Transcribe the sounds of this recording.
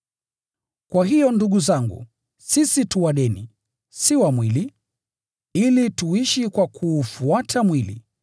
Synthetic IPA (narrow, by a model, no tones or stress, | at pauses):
kwaɦijɔnduɠuzaŋɡṵ | sisituwaɗɛnḭ | siwamwili | ilituiʃikwakʰuːfuatʰamwilḭ